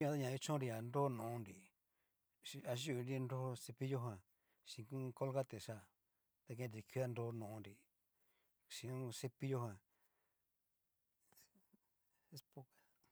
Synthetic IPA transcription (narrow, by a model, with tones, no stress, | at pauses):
õ˧t̪a˦ɲã˧i˦t͡ʃõ˦ɾi˧a˨ndo˦nũ˨˧nɾi˨ | i˧a˧ʒu˦˧nɾi˦˧ndo˦o˧se˧pi˦jo˦ɦã˧ | ʃĩ˧kũ˦ko˦lɣa˦t̪e˨ʃa˧˨ | t̪a˧kẽ˧nd̪i˨˧kʰi˧˦a˦˧nd̪o˦˧nõ˨˧nɾi˨ | ʃĩ˧õ˦se˧pi˦jo˦ɦã˧˨ | e˦spo˧ka˨